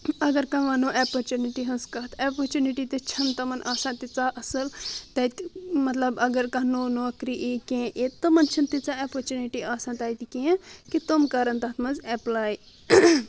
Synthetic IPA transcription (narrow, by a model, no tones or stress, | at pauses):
ɐɡɐɾkɐʋaːnoːʔaːpɐɾt͡ʃuniʈiɦɐnskɐɦt̪aːpɐɾt͡ʃuniʈit̪ɐt͡ʃʰɐnt̪ɐmɐnʔaːsãːt̪it͡saːʔɐsɐlt̪ɐt̪mɐt̪lɐbɐɡɐɾkɐ̃noːnoːkɾiʔeːkẽːʔet̪ɐmɐnt͡ʃʰint̪it͡saːaːpɐɾt͡ʃuniʈiʔaːsãːt̪ɐːjt̪ikẽːkit̪omkaɾɐnt̪ɐt̪ʰmɐnzɛplaːj